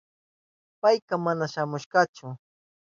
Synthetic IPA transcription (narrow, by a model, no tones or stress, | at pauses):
pajkɑmanaʃamʊʃɢɑt͡ʃʊ